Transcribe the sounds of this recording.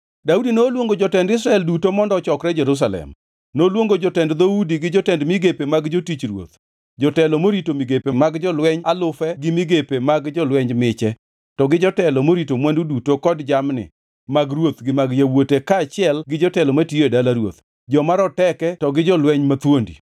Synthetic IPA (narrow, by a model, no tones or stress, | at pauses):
daudinolwoŋɡod͡ʒɔtɛndɪs̬ɾaɛldutomɔndɔt͡ʃɔkɾɛd͡ʒɛɾus̬alɛ̰m | nolwoŋɡod͡ʒɔtɛndd̪oudiɡɪd͡ʒɔtɛndmɪɡepemaɡd͡ʒotit͡ʃɾwo̰t̪ | d͡ʒɔtɛlɔmoɾitomiɡepemaɡd͡ʒɔlwɛɲalʊfɛɡɪmɪɡepemaɡd͡ʒɔlwɛɲmɪt͡ʃɛ | tɔɡɪd͡ʒɔtɛlɔmoɾitomwandudutokɔdd͡ʒamnɪ̰ | maɡrwot̪ɡɪmaɡjawotekaːt͡ʃɪɛlɡɪd͡ʒɔtɛlɔmatioedalaɾwo̰t̪ | d͡ʒɔmaɾɔtɛkɛtɔɡɪd͡ʒɔlwɛɲmat̪wondḭ